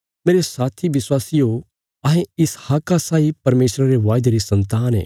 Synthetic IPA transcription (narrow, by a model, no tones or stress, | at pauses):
meːɾesaːt̪ʰiʋɪswaːsio | ɐɦẽɪshɐkːasaːipɐɾmeːsɾaɾeʋaːjd̪eɾisɐ̃nt̪aːnɦḛː